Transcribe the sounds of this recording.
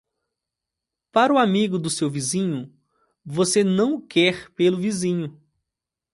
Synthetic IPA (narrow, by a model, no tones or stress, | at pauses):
paɾʊamiɡʊd̪ʊsewvizĩɲʊ | vosenɐ̃w̃kʰɛɾpelʊvizĩɲʊ